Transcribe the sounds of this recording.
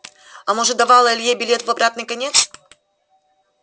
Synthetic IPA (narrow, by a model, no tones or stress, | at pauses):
ɐmoʐɨd̪ɐvalˠəlʲjebʲɪlʲet̪vɐbɾat̪nɨjkɐnʲet̪s